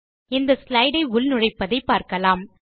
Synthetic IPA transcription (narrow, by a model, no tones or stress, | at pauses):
ɪnd̪ɐslɐɪɽɐɪʊlnʊrɐɪpːɐðɐɪpaːɾkɐlaːm